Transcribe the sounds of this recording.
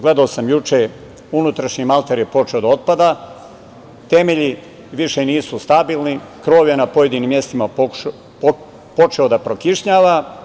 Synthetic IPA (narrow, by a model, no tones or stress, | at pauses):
ɡle̞d̪aosamjut͡ʃe | unut̪ɾaʃɲimalˠt̪aɾje̞po̞t͡ʃeo̞d̪ao̞t̪̚pad̪a | t̪e̞me̞ʎi | ʋiʃe̞niːsust̪abiːlˠnikɾo̞ːʋjenapoje̞d̪iniːmːje̞st̪ima | po̞t͡ʃe̞od̪apɾokiʃɲaːʋa